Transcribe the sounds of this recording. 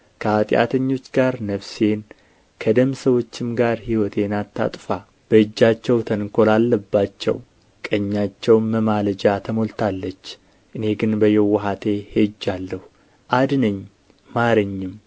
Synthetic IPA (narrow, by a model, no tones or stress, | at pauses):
kʰəat̪ʼja̰t̪ʰəɲːo̞t͡ʃːɡaɾnəβsen | kʰəd̪əmsəwo̞t͡ʃːɪmɡaɾhiwɔt̪ʰenat̪ʰːa̰t̪ʼfa | b̥əɨd͡ʒːat͡ʃːɛwt̪ʰənkʰo̞lalːəbːat͡ʃːɛ̰w | kʼəɲːat͡ʃːɛwməmaləd͡ʒat̪ʰəmo̞lt̪ʰalːət͡ʃː | ʔɨne̞ɡɨnbəjːɛwɔɦat̪ʰehed͡ʒːalːəhu | ʔad̪nəɲː | aɾəɲːɪm